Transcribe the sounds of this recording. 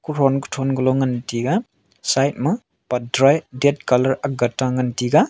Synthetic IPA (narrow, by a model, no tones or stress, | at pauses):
kuɾɔnku̥tʰɔnɡɯlɔŋɐntiɡa | sajt̚mɐ | padɾajdet̚kalɐɾaɡataŋɐntiɡa